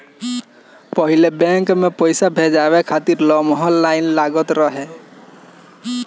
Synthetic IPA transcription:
pɔɦilebɛŋkmepɔjsabʱed͡ʒabekʰat̪iɾlɔmɦɔlːajnlaɡɔt̪ɾɔɦɛ

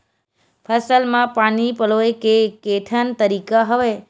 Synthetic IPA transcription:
pʰəsəlmãpanipəloekekeʈʰənt̪əɾikaɦəʋe

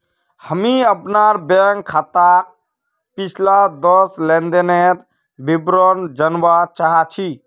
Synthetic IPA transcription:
həmiəpnaɾbəŋɡkʰːat̪a | pit͡ʃʰlad̪ɔslend̪eneɾ | bibɾɔnd͡ʒənbat͡ʃaɦat͡ʃʰi

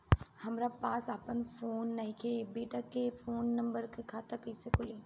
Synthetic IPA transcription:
hɐmɾapaːsaːpənfoːnːɐɦĩkʰebeːʈakefoːnːɐ̃mbəɾkekʰaːt̪akɐjsekʊleː

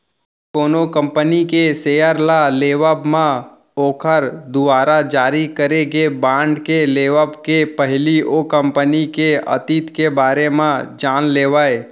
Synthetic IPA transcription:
koːnokə̃mpənikeseːjəɾlaleːʋəbmã | oːkʰəɾd̪ʊaːɾad͡ʒaːɾikəɾeɡebãːɳɖkeleːʋəbkepəɦɪliokə̃mpənikeə̰t̪iːt̪kebaːɾemãd͡ʒaːnleːʋaːe

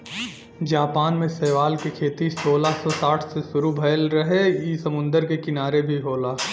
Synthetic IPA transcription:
d͡ʒaːpaːnmẽsɛːʋaːlkekʰeːt̪isoːlasɔsaːʈʰsesʊɾubʱɐjəlɾɐɦejisɐmʊ̃nd̪əɾkekɪnaːɾebʱiɦoːlaː

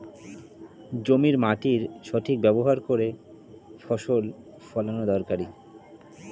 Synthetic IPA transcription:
d͡ʑomiɾmaʈiɾʃɔʈʰik̚bɛboɦaɾkoɾe | fɔʃol | fɔlanod̪ɔɾkaɾi

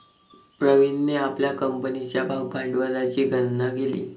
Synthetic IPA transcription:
pɾəʋinːeapljakəmpənit͡ɕjabʱawpaɖʋalat͡ɕiːɡʱənnaɡelḭː

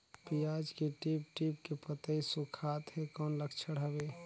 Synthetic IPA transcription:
pijad͡ʒkeʈip̚ʈipkepət̪əisukʰat̪ɦekɔːnləkt͡ʃʰəɽɦəbe

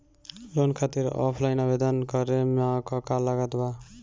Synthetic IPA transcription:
lonkʰat̪iɾɔ̰pʰlajnʌbed̪ʌnkʌɾemakɔkalaɡat̪ba

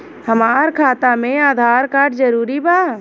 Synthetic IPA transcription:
hɐmaːɾkʰaːt̪amẽaːd̪ʱaːɾkaːɾɖd͡ʒəɾuːɾibaː

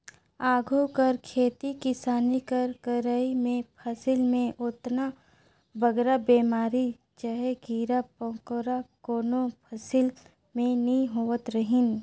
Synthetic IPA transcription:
aːɡʱukəɾkʰeːt̪ikɪsaːnikəɾkəɾəimẽpʰəsɪlmẽʔʊt̪na | bəɡɾabeːmaːɾi | t͡ʃaɦeɡʱiːɾapõːkoːɾakoːnopʰəsɪl | mẽnĩɦoːət̪ɾəɦɪn

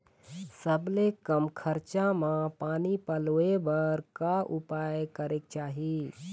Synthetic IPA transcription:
səblekəmkʰəɾt͡ʃamãpaːnipəlebəɾkaʔʊpajkəɾek̚t͡ʃaːɦi

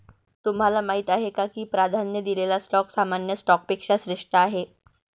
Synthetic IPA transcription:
t̪umɦalamaɦit̪aɦekakiːpɾad̪ʱanːjəd̪ilelasʈɔksamanjəsʈɔk̚pekʂaɕɾeʂʈəaɦe

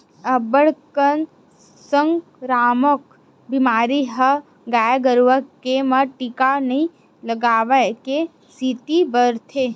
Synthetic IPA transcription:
əbəɽkən | səŋɡ | ɾaːmək | bimaːɾiɦə | ɡaːjɡəɾʋəkːemaʈikanəĩ | ləɡaːʋəke | sit̪ibəɾt̪ʰe

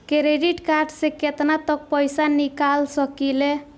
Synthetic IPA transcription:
keɾeɖiʈkarɖsekʰet̪nat̪ʌk̚pʌjsanikalsʌkile

